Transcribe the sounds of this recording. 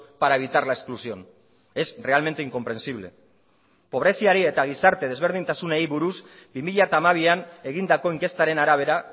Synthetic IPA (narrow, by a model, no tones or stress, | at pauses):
paɾae̞β̞it̪aɾlaesklusio̞n | e̞sre̞alme̞nt̪e̞iŋko̞mpɾe̞nsiβ̞le̞̰ | po̞βɾe̞siaɾie̞t̪aɣ̞isaɾt̪e̞ð̞e̞zβ̞e̞ɾð̞int̪asunejβuɾuz | bimiʎat̪aːmaβ̞iane̞ɣ̞ind̪ako̞iŋke̞st̪aɾe̞naɾaβ̞e̞ɾa